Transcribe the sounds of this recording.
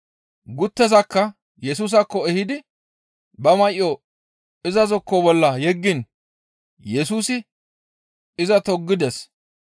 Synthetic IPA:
ɡʊt̪ːɛzɐkːɐ | jɛsuːs̬ɐkːɔɛhɪd̪ɪ | bɐmɐʔɪjo | ɪzɐzɔkːɔbɔlːɐjɛɡːɪn | jɛsuːsɪ | ɪzɐt̪ɔɡːɪd̪ɛs

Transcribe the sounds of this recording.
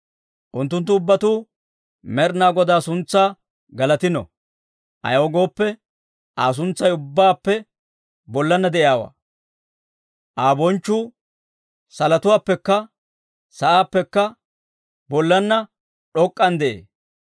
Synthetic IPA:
ʔʊnt̪ːʊnt̪̬ːʊːbːɐt̪uː | mɛɾnaːɡɔd̪aːsʊnt͡sːaː | ɡɐlɐt̪ɪnɔ̰ | ʔɐ̰jɔɡo̞ːpːɛ | ʔaːs̬ʊnt͡sːɐjʊbːaːpːɛ | bɔlːɐnːɐd̪ɛʔjjaːwa̰ː | ʔaːbɔnt͡ʃːuː | sɐlɐt̪ʊwaːpːɛkːɐ | sɐʔaːpːɛkːɐ | bɔlːɐnːɐ | ɗɔkʼːɐnd̪ɛʔḛː

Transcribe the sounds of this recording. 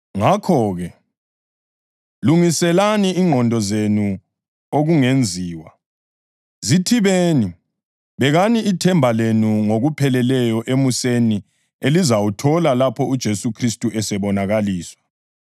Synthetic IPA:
ŋakʰɔːɣɛ | luŋisɛlaniiŋʱɔndʱɔzenu | oɣuŋend͡zʱiːwa̰ | zitʰiβeːni | βɛɣaniitʰɛmbʱalenuŋoɣupʰɛlɛlɛjɔʔemuseni | elizawutʰɔlalapʰɔud̥ʒ̥ʱesukʰristʼuʔɛsɛβɔnaɣaliːswḁ

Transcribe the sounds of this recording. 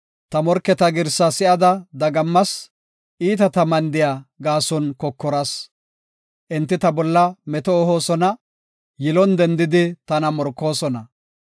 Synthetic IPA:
t̪ɐmɔɾkːɛt̪ɐɡɪɾsɐsɪʔɐd̪ɐd̪ɐɡɐmːɐs | ʔiːt̪ɐt̪ɐmɐnd̪ɪjaːɡaːsɔnkɔkːɔɾɐs | ʔɪnt̪ːɪt̪ɐbɔlːɐmɛt̪ɔːɦoːsɔnɐ | jɪlɔnd̪ɛnd̪ɪd̪ɪt̪ɐnɐmɔɾkːo̞ːsɔnɐ

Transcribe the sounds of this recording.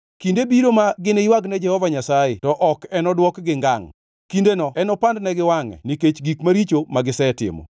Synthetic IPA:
kindebiɾomaɡɪneiwaɡnɛd͡ʒɛhɔvaɲasajetɔʔɔkɛnɔdwɔkɡɪŋɡa̰ŋ | kindenɔɛnɔpandnɛɡɪwaŋɛ̰niket͡ʃɡikmaɾit͡ʃomaɡɪsɛtɪ̰mɔ̰

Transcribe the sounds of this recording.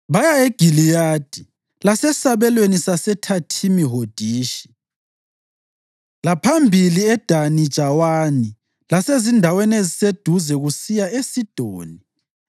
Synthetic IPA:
βajaeɡ̥ʱilijaːd̥ʱi | lasɛsaβɛlwenisasɛtʰatʰimiɦod̥ʱiːʃi̥ | lapʰambʱiliɛd̥ʱanid̥ʒ̥ʱawani | lasezindʱawɛnezised̥ʱuzɛɣusijaesid̥ʱoːni

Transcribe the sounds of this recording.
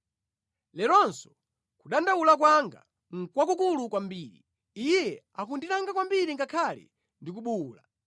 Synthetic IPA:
lɛɾɔnsɔ̥ | kuɗandaulak̬waŋɡa̰ | ŋ̩kwak̬uk̬ulukwambiːɾḭ | ijɛ | akundiɾaŋɡakwambiɾiŋɡakʰalḭ | ndikuɓula

